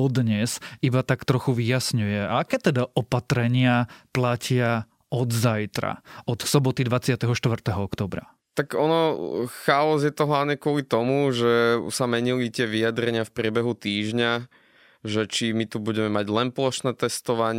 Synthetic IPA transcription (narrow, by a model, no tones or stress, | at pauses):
ɔd̪ɲɛzibat̪akt̪ɾɔxuʋijasɲujɛaakɛːt̪ɛd̪aʔɔpat̪ɾɛɲɪaplacɪa | ɔd̪zajt̪ɾa̰ɔt̪sɔbɔt̪id̪ʋat͡sɪat̪ɛɦɔʃt̪ʋr̩t̪ɛɦɔɔkt̪ɔːbɾa̰ | t̪akɔnɔxaɔzjɛt̪ɔɦɔaɲɛkʊɔlit̪ɔmuʒɛsamɛɲilit̪ɪɛʋijad̪ɾɛɲɪafpɾɪɛbɛɦut̪iːʒɲa | ʒɛt͡ʃimit̪ubuɟɛmɛmaɟlɛnplɔʃnɛːt̪ɛst̪ɔʋaɲ